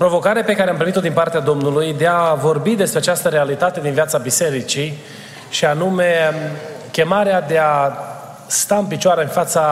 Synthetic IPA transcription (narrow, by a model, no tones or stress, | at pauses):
pɾo̞vo̞kaɾeape̞kaɾeampɾimit̪od̪inpart̪ead̪o̞mnulujd̪eavo̞rbid̪e̞spɾeat͡ʃast̪əɾe̞alit̪at̪e̞d̪invjat̪sabise̞ɾit͡ʃi | ʃianume̞ | kʲe̞maɾead̪e̞a | st̪aɨnpit͡ʃoaɾeɨnfat̪sa